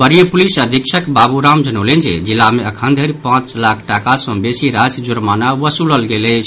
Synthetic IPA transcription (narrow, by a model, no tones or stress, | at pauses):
bəɾijəpulisəd̪ʱikʃʰəkbabuɾamd͡ʒənəlend͡ʒḛd͡ʒilːameəkʰənd̪ʱəɾipãt͡ʃlakʰʈakasə̃besiɾasd͡ʒuɾmanaʋəsuləlɡeləɪt͡ʃʰ